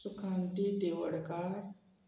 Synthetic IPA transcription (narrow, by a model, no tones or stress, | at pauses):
sʊkʰaːɳʈid̪eːʋəɽkaːɾ